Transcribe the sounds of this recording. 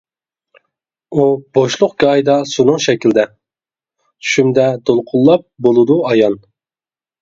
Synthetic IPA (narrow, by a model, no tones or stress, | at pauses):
ub̥oʃlˠʊqɡʲɑjd̪ɑsunʊŋʃɛkʲild̪ɛ | ʃymd̪ɛd̪olˠqʰʊlˠːɑp̚bolˠɨd̪uɑjɑn